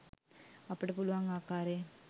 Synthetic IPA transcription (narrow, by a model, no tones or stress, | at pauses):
ɐpːoɽepuluʋaːŋɡaːkːaːɾe